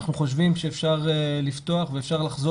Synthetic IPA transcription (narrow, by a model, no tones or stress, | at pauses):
χnuχo̞ʃ̬vimʃeefʃaʁelift̪o̞aχveefʃaʁlaχzo